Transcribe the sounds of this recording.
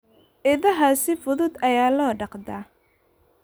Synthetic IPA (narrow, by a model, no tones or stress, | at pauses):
ʔɪðɐɦaːsɪfʊðʊd̪ɐjaːlɔːɖɑqd̪aː